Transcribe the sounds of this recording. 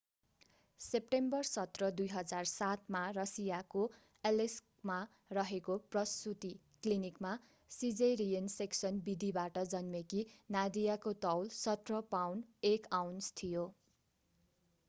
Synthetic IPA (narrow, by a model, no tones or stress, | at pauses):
sep̚ʈembʌrsʌt̪rʌd̪ujɦʌd͡zarsat̪marʌsijako | eleskma | rʌɦekoprʌstut̪i | klinikma | sid͡zeɾijʌnseksʌnbid̪ʱibaʈʌd͡zʌnmekinad̪ijakot̪ʌwlsʌt̪rʌpawnekawnst̪ʰijo